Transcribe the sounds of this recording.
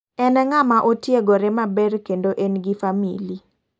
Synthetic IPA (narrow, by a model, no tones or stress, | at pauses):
ɛnɛŋamaʔotjeɡoɾɪmabɛɾkendoʔenɡifamḭli